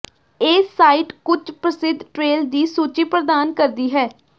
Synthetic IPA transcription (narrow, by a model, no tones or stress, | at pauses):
eːsaːiʈkʊt͡ʃpɾəsɪd̪ʱʈɾeːld̪iːsuːt͡ʃiːpɾəd̪aːnkəɾd̪iːɦɛː